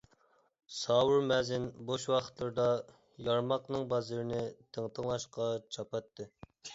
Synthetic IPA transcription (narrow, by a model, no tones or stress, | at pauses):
sɑːwuɾmɛzɪnboʃwɑχʰə̥t̪lˠɨɾd̪ɑ | jɑɾmɑqnɨŋbɑzɨɾɪnɪt̪ʰəŋt̪ʰəŋlˠɑʃqɑt͡ʃʰɑpɑt̪ʰːɨ